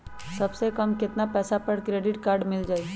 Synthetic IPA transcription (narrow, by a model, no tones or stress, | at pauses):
sɐbsekɐmkɪt̪napɛːsapɐɽkɾeːɖɪʈkaːɾɖmɪld͡ʒaːi